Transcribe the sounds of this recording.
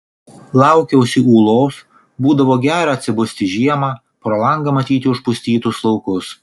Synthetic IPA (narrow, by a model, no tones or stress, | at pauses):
lˠɑˑʊkʲɛʊsʲɪuːlˠoːs | buːd̪ɐʋoːɡʲæːɾɐːt̪ʲsʲɪbʊsʲt̪ʲɪʒʲiɛmɑ | pɾoːlˠɐŋɡɐmɐt̪ʲiːt̪ʲɪʊʃpʊsʲt̪ʲiːt̪ʊslˠɐʊkʊs